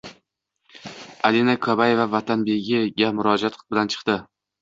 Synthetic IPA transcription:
alinakʰɒbaje̞vavat̪ʰanbe̞ɡʲɪɡʲamʊɾɒd͡ʒat̪bɪlant͡ʃʰɨ̥qt̪ɪ

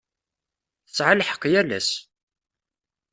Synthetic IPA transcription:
θət͡sːʕalħə̥qːjælæ̰s

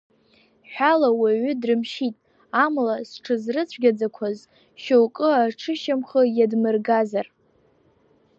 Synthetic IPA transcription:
ħʷᶣalawaɥʏdrɨmʃitʼ | amlasʈ͡ʂʰɨzrɨt͡sʷʰɡʲad͡zakʷʰaz | ʃowkʼɨaʈ͡ʂʰɨʃamχəjadmɨrɡazar

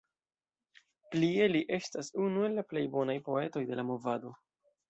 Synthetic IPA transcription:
plie̞liʔe̞stasunue̞lːaple̞jbo̞najpo̞e̞to̞jde̞lamo̞vado̞

